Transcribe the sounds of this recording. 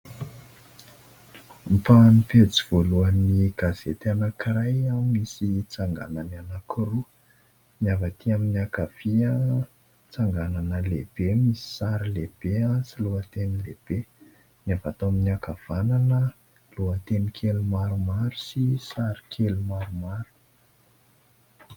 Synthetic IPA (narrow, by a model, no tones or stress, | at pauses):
mipanipet͡siv̥oluəniɡ̥az̥et̪anakiɾajamisit͡saŋɡa̰nananakiru | miavat̪iaminiakav̥iə | t͡saŋɡananəleb̥emisi̥saɾileb̥easiluat̪enileb̥e | niavat̪oaminiakav̥ananə | luat̪enikʰelumaɾumaɾu̥sisaɾi̥kʰelumaɾumaɾu̥